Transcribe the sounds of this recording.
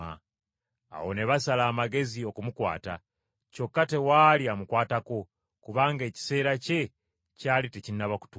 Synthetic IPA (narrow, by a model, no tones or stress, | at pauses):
a | a̰wone̞βasalaːmaɡe̞zio̞kumukwa̰ːta | co̞kːate̞waːliamukwaːtako̞ | kuβaːŋɡe̞ːci̥se̞ːɾace̞ | caːlitecinːaβaku̥tu